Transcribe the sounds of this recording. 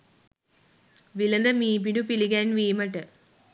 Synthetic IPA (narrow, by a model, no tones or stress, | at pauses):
ʋilɐnd̪ɐmiːp̬iɳɖupiliɡanʋiːmɐʈːɨ